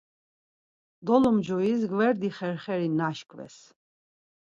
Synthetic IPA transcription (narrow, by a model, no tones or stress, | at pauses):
d̪ɔlɔmd͡ʒɔis̬ɡvɛɾd̪iχɛɾχɛɾinaʃkʰvɛ̰s